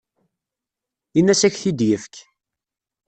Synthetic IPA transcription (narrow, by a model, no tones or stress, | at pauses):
inːæsæçθid̪jəfk